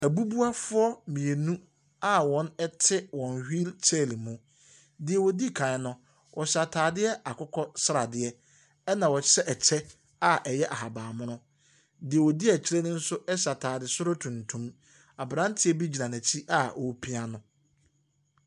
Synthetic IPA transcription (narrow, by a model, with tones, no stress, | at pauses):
æ˨bu˦bu˦a˦fʊ˦ɔ˦mĩ˨e˨nũ˦ | a˦wɔ̃˦nɛ˦tʰɪ˦wɔ̃˨nhᶣi˦lt͡ɕʰɛ˦˨li˨mũ˨ | dɪ˨ɛ˨wɔ˨di˦˨kʰã˨ɪ˨˦nʊ̃˦ | wʔɔ˨ɕa˨tʰaː˨dɪ˦ɛ˦a˨kʰʊ˦kʰɔ˦sɾa˨dɪ˨˦ɛ˦ | ɛ˦nã˨wɔ˨ɕɛ˦ʔɛ˨t͡ɕʰɛ˦ | a˦˨ʔɛ˨jɛ˦ʔa˨ɦa˨baː˨mʊ̃˦nʊ̃˦ | dɪ˨ɛ˨wɔ˨di˦æ˨t͡ɕʰi˦ɾɛ˦nɪ̃˦n̩˦sʊ˦ɛ˦ɕa˨tʰaː˨dɪ˨sʊ˦ɾʊ˦tʰũ˨ntʰũ˦m | a˨bɾã˦n˦tʰɪ˦ɛ˦bi˦d͡ʑi˨nã˨næ̃˨t͡ɕʰi˦ʔa˦ɔ˨˦pʰi˦a˦nʊ̃˦